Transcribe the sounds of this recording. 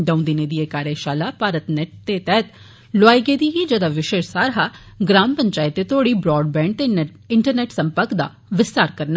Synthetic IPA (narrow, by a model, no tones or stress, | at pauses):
d̪ə̃ũnd̪ineːd̪iːeːkaːɾeːʃaːlaːpaːɾət̪nɛʈ̚t̪eːt̪ɛːt̪ | lʊaːiːɡeːd̪iːɦiːd͡ʒəd̪aːʋɪʃeːʃsaːɾɦaː | ɡɾaːmpəɲt͡ʃaːɪt̪ːeːt̪ʰoːɽiːbɾɔːɖ̚bɛ̃ːɳɖt̪e | ɪɳʈəɾnɛːʈsəmpəɾkd̪a̰ː | ʋɪst̪aːɾkəɾnaː